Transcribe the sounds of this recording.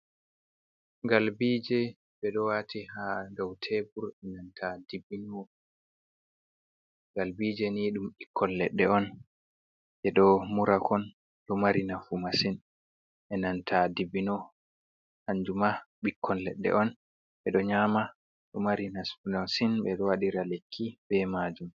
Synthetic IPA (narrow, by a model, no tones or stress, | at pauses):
ɡalbiːd͡ʒɛ | ɓɛɗɔwatʰihadɔwtʰebuɾɛnantʰadibinɔ | ɡalbiːd͡ʒɛniːɗumɓikːɔnlɛɗːɛɔn | ʔɛɗɔmuɾakʰɔn | ɗɔmaɾinafumasin | ʔɛnantʰadibinɔ | haɲd͡ʒumaɓikʰːɔnlɛɗːɛ̰ʔɔn | ʔɛɗɔɲama | ɗɔmaɾinasunasinɓɛɗɔwaɗiɾalekʰːibɛmad͡ʒum